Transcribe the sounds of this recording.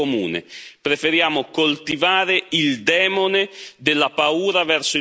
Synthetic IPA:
omṵːnḛpɾefeɾjaːmokolt̪ivaːɾeild̪ɛːmoned̪ɪlːapauːɾavɛrso

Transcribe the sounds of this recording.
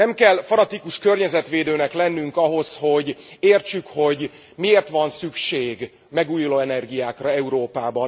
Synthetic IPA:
nɛmkɛlfɒnɒt̪ikuʃkørɲɛzɛt̪ʋeːd̪øːnɛklɛnːyŋkɒɦo̞sho̞ɟeːrt͡ʃykho̞ɟ | mieːrt̪ʋɒnsykʃeːɡ | mɛɡuːjuloːɛnɛrɡijaːkrɒɛuɾoːpaːbɒn

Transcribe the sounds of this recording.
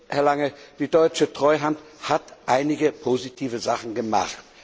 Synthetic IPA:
hɛɐlaŋəd̥iːdɔʏt͡ʃətʁ̥ɔʏɦanthatʔaɪnɪɡəpʰozitʰiːvəzaχn̩ɡəma̰χt

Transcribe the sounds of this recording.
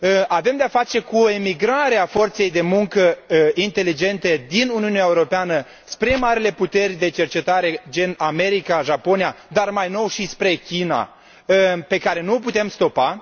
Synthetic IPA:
ʔave̞md̪eafat͡ʃe̞kuoemiɡɾaɾeafo̞rt̪se̞jd̪e̞muŋkəint̪e̞lid͡ʒe̞nt̪e̞d̪inuniuneaeuɾo̞peanə | spɾe̞maɾile̞put̪e̞rʲd̪e̞t͡ʃe̞rt͡ʃe̞t̪aɾe̞d͡ʒe̞name̞ɾikaʒapo̞nijad̪armajno̞wʃispɾe̞kʲina̰ | pe̞kaɾe̞nuoput̪e̞mst̪o̞pa

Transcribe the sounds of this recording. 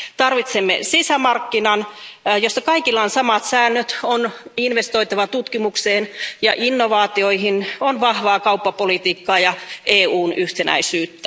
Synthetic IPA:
t̪ɑrʋit̪semːḛsisæmɑrkːinɑnjosːɑkɑikilːɑːnsɑmɑt̪sæːnːøt̪oninʋest̪oit̪ɑʋɑt̪ut̪kimukseːnjɑ̰ʔinːoʋɑːt̪ioihinonʋɑhʋɑːkɑupːɑpolit̪iːkːɑːjɑʔeːuːnʔyht̪enæ̰isyːt̪ːæ

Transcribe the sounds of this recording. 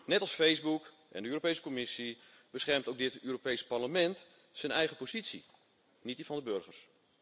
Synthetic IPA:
nɛtɑlˠsfejzbuk | ʔɛ̰ndəøːrɾopejsə̥komɪsi | bəsχɛrmtowk̚dɪtyːropejsparləmɛnt | sənɛjχəpozitsḭ | nit̚difɑndəbørχərs

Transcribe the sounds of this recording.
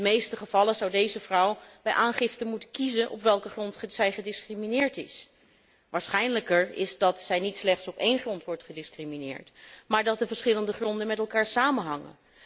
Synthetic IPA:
dəmejstəχəv̥ɑləzʌwdejzəvrʌwbɛjʔaːnχɪftənmutənkizənʔɔ̰pʋɛlˠkəχrɔntsɛjχədɪskriminɪːɹtɪs | ʋaːɹsχɛjnləkəɹɪzdɑtsɛjnitslɛχtsɔpejnχrɔntʋɔɹtχədɪskriminɪ̰ːɹtmaːɹdɑt̚dəvəɹsχɪləndəχrɔndənmɛtɛlˠkaːɹsaːmənɦɑŋə̰

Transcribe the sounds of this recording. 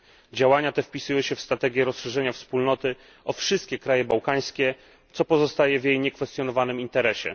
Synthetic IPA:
d͡ʑawaɲat̪ɛfpʲisujɔ̃ɕɛfst̪ɾat̪ɛɡʲjɛɾɔsʂɛʐɛɲafspulnɔt̪ɘ | ɔfʂɘst̪̚kʲɛkɾajɛbawkaj̃skʲɛ | t̪sɔpɔzɔst̪ajɛvʲjejɲɛkfɛst̪jɔnɔvanɘmint̪ɛɾɛɕɛ̰

